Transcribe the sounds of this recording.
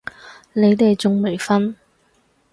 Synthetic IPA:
ne˨˧jt̪e˨jt͡sʊ˨ŋme˨˩jfɐ˥n

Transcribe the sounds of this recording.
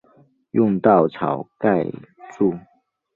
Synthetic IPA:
jʊ˥˧ŋt̪ɑ˥˩ʊt͡sʰɑ̰˨˩ʊka˥˧ɪʈ͡ʂu˥˩

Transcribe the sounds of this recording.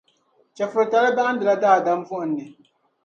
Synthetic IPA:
t͡ʃɛ˨fɨ˨ɾta˨˦lɨ˦ba˦ʔn̩˦dɨ˨la˦daː˦˨da˦m˦vʊ˦ʔn̩ːɨ˨

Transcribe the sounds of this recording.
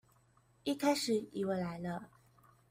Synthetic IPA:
i˥kʰa˥ɪʂɻ̩˨˩˦ḭ˨˩wə˧˩la˧˥ɪlə˧

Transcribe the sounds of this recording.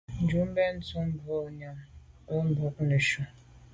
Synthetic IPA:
n̩˨d͡ʒu˦m̩˦be˦n̩˦tu˦m̩˦bu˦o˦ɲa˨m˨o˦m̩˦bʊ˨˦kne˨ʃu˦

